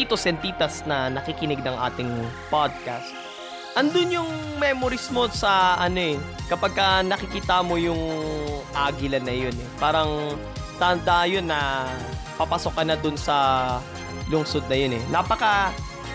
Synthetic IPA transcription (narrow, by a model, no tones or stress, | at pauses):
it̪osɛnt̪iːt̪ɐsnɐnɐkɪkɪnɪɡ̚nɐŋʔa̰ːt̪ɪŋpad̪̚kast̪̚ | ʔɐnd̪ʊnjʊŋmɛmoɾɪsmo̞sɐʔɐno̞ʔɛkɐpɐɡ̚kɐnɐkɪkiːt̪amo̞jʊŋʔaːɡɪlɐnɐjo̞nɛpaːɾɐŋ | t̪ɐnd̪aʔjo̞nːɐ | pɐpɐso̞kːɐnɐd̪ʊnsɐ | lʊŋsod̪̚nɐjonɛnapɐkɐ